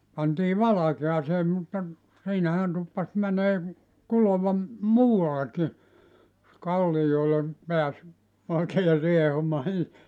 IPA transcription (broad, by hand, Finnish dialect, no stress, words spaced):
pɑntiː ʋɑlɑkeɑseː mutːɑ siːnæhæn tupːɑs mæneː kuloʋɑ muːɑlːekːi jos kɑlːijoile peæs oikeː riehumɑː ni